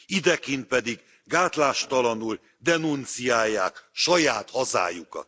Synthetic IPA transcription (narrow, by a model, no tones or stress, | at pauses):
id̪ɛkint̪̚pɛd̪iɡː | aːt̪laːʃt̪ɒlɒnul | d̪ɛnunt̪sijaːjːa̰ːkʃɒjaːt̪hɒza̰ːjukɒ̰t̪